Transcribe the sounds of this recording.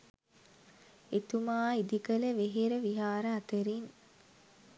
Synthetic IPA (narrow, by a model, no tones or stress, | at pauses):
et̪umaːid̪ikələʋeɦeɾəʋiɦaːɾəɐt̪əɾin